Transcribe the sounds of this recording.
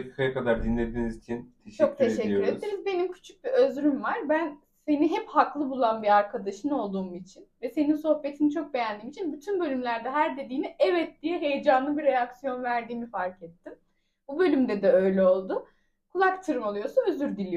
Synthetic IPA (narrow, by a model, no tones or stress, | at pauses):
ekʰi̥kʰajakad̪aɾd̪inlʲed̪inizit͡ʃʰint̪ʰet͡ʃt͡ʃʰok̚t̪ʰeʃɛːyɾed̪iɾizbe̞nimcʰy̥t͡ʃʰy̥c̚biøzɾymvaɾbæn | se̞niɦɛphaklˠɯbulˠanbiaɾkʰad̪aʃɯno̞lˠd̪uːmit͡ʃʰinvɛse̞ninso̞hbe̞t̪ʰinit͡ʃʰo̞k̚be̞jænd̪iːmit͡ʃʰinbyt̪ʰynbølʲymlʲæɾd̪ɛɦæɾd̪e̞d̪iːmiʔɛvɛt̪̚d̪̥ijɛɦe̞jed͡ʒanlˠɯbiɾejaksijo̞nvæɾd̪iːmifaɾcɛt̪ʰːim | bubø̞lʲymd̪ɛd̪ɛø̞jlʲɛo̞lˠd̪ʊ | kʰulˠakt̪ʰɯɾɯmo̞lˠujo̞suøzyɾd̪ilʲij